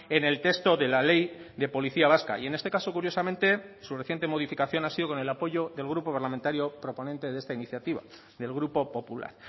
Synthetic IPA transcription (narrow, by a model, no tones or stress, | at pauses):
e̞ne̞lt̪e̞st̪o̞ðe̞lale̞j | ðe̞po̞liθiaβ̞aska̰ie̞ne̞st̪ekaso̞kuɾjo̞sament̪e̞sureθje̞nt̪̬e̞mo̞ð̞ifikaθjo̞nasiðo̞ko̞ne̞lapo̞ʝo̞ðe̞lɣ̞ɾupo̞paɾlament̪aɾjo̞pɾo̞ponẽnt̪e̞ðe̞st̪ainiθjat̪iβa̰ | ðe̞lɣ̞ɾupo̞po̞pula̰ɾ